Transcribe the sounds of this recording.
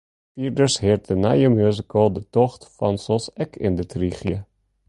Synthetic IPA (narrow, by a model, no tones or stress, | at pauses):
fiːɹdəɹshɪɹt̚dəna̰jəmjøzəkəlˠdətɔχtfɑnsɔsɛkʰɪ̰ndətriχjə